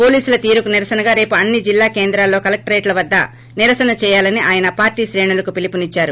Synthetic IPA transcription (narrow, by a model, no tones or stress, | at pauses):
po̞ːliːsulɐt̪iːɾukuniɾɐsɐnɐɡaːɾe̞ːpuɐnːid͡ʒilːaːkeːnd̪ɾaːlːo̞ːkɐlɐk̚ʈɐɾeːʈlɐʋɐd̪ːɐ̰ | niɾɐsɐnɐt͡ʃɛːjaːlɐniʔaːjɐnɐpaːɾʈiːʃɾɛːɳulɐkupilipunit͡ʃːaːɾu